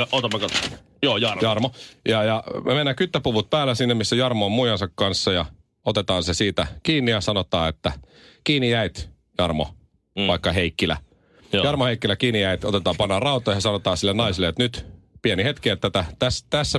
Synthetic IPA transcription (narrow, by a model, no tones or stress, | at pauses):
ot̪ɑmːɑkot̪o | joːjɑrjɑrmojɑjɑmemenːækyt̪ːæpuʋut̪̚pæːlːˑæsinːemisːæjɑrmoːmujɑnsɑkkɑnsːɑjɑ | ot̪et̪ɑːnsesiːt̪ækiːnːijɑsɑnot̪ɑːet̪ːæ | kiːnijæit̪ | jɑrmo̰ | ʋɑikːɑheikːilæ̰ | jɑrmoheikːilækiːnijæit̪ot̪et̪ɑːpɑnːɑrrɑut̪ˑojɑsɑnot̪ɑːsilːenɑisilːˑeot̪nyt̪ | pienihet̪kiet̪ːæt̪æt̪æst̪æsːæ